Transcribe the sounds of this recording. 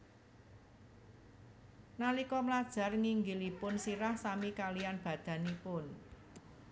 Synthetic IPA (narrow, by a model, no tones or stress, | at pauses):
nalikɔmlad̥ʒ̥a̤rŋiŋɡilipʊnsiɾahsamikalijanb̥ä̤d̪̥ä̤nipʊn